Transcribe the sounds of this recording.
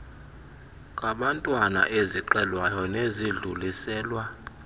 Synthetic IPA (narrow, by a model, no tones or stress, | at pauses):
kʼaɓantʼwana̰ʔeziǃɛlwajɔneziɮulisɛːlwa